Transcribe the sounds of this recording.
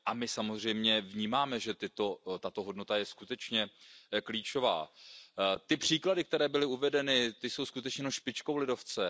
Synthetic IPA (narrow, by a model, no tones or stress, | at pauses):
ʔamɪsamozr̝ɛjmɲɛvɲiːmaːmɛʒɛt̪ɪt̪o̞t̪at̪o̞ɦo̞dno̞t̪ajɛskut̪ɛt͡ʃɲɛkliːt͡ʃo̞va̰ː | t̪ɪpr̥iːkladɪk̚t̪ɛɾɛːbɪlɪuvɛdɛnɪt̪ɪso̞wskut̪ɛt͡ʃɲɛnoʃpɪt͡ʃkowlɪdo̞ft͡sɛ